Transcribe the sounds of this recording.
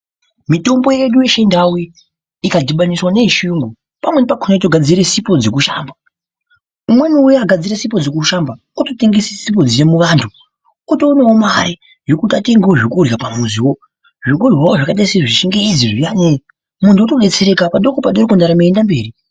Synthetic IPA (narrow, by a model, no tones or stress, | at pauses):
mito̞mbo̞jeɗujeʃendawi | ikadʱiɓaniswane̞iʃijuŋɡo | pamwenepakʰunaitoɡʱad͡ziɾesipo̞d͡ze̞k̬uʃa̰ːmba | umwe̞niujoaɡʱad͡ziɾesipo̞d͡ze̞kuʃamba | utote̞ŋɡesisipo̞d͡zijemuʋantʰu | kutouneomaɾe | ʐekutateŋɡewoʐikurjapamuziwo̞ | ʐik̬urjawoʐakaɗaiseʐiʃiŋɡeid͡ziʐijane | muntʰuutoɗet͡seɾekapaɗokopaɗorikundaɾameːndambe̞ːri